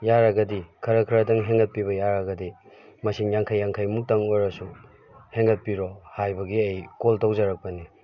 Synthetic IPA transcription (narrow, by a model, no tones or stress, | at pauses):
jaɾɐɡɐdikʰɐɾɐkʰiɾɐdɐŋɦeŋɡɐt̚piβɐjaɾɐɡɐdi | mɐsiŋjaŋkʰajːaŋkʰajmuk̚tɐŋojɾɐsu | heŋɡɐt̚piɾohajbɐɡiejkoltawzɐɾɐk̚pɐni